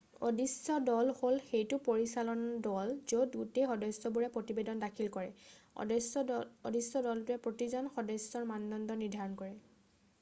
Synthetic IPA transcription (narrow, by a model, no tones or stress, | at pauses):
o̰disːɔdɔlholxejtʊpoɹisalɔndɔlzodɡutexɔdɔjsɔbuɹɛpɹotibedɔndakʰilkɔɹɛ̰ɔsodisɔdɔltʊɛpɹotizɔnxɔdɔsɔɹmandɔndɔniɹdʱaɹɔnkɔɹɛ